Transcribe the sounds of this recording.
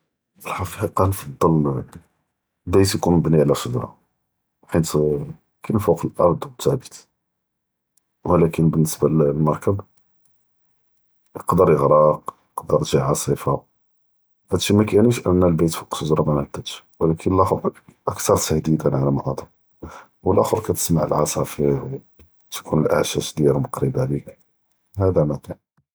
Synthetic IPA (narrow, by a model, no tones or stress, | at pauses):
ʔəlħɑqiqɑqɑnfɑd̪ˤːɑl | lbit̪jkunmbniʕlæsod̪ɾˤɑ̰ | ħit̪ | kænfuqəlʔɑ̰ɾˤd̪ˤwət̪ʰːæbə̥t̪ | wlækənbənːəsballmɑɾˤkəb | jəqd̪əɾjəɣɾɑq | əqd̪əɾˤt̪ʒiʕɑsˤifa | fæt̪ʃimækæniʃʔəmnælbit̪fqsˤuzɾˤɑmænæt̪ːæ | wəlækʰənəlʔɑxʔəkt̪ɑɾˤt̪əhd̪id̪ænʕalæmʔɑd̪əm | wəlʔɑxəɾkæt̪ə̥smaʕə̰lʕɑsˤɑfihw | t̪kʰunəlʔa̰ʕʃæʃd̪iɾməqɾəbaʕlik | hæd̪æmækæn